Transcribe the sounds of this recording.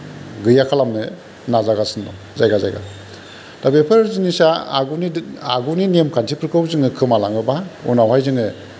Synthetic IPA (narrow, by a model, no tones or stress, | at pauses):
ɡɯjakʰalamnɯ | nazaɡasɯndɔ | zajɡaza̰jɡa̰ | d̥abepʰɯɾzinisaa̰ɡunia̰ɡuninemkʰantʰipʰɯɾkʰɯwzɯŋɯkʰɯmalaŋɯbaṵnawɦajzɯŋɯ